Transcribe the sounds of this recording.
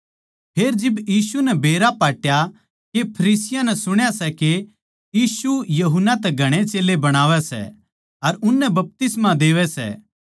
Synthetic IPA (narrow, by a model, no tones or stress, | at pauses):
pʰeːɾd͡ʒɪbjiːsunɛbeːɾapaːʈja | kepʰɐɾiːsɪjãnɛsʊɽ̃jasɛke | jiːsujɐɦʊnːat̪ɛɡʱɐɽ̃et͡ʃeːlebɐɽ̃aːʋɛsɛ̰ | ɐɾʊnːɛbɐp̚t̪ɪsmãd̪eːʋɛsɛ̰ː